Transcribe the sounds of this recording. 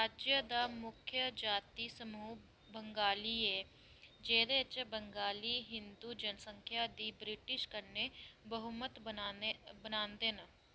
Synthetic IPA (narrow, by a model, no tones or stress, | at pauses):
ɾaːd͡ʒjəd̪aːmʊkʰjəd͡ʒaːt̪iːsəmuː | bəŋɡaːliɛː | d͡ʒeːɾet͡ʃbəŋɡaːliːɦɪnd̪uːd͡ʒənəsəŋkʰjaːd̪iːbɾɪʈɪʃkəɾnebəɦumət̪bənbənãːnd̪enː